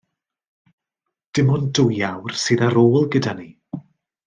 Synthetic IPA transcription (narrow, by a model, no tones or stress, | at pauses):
d̥ɪmʊndʊjawrsɨːðaɾoːlˠɡədani